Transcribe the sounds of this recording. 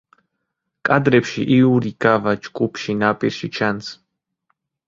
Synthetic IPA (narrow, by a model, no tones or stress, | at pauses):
kʼad̪ɾɛpʃiʔiuɾiɡ̥avat͡ʃɡʼupʰʃinapʼḭɾʃit͡ʃʰans